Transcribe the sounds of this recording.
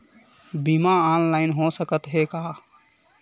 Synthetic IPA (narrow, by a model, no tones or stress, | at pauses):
bimaanlaɪnɦosəkət̪ɦeka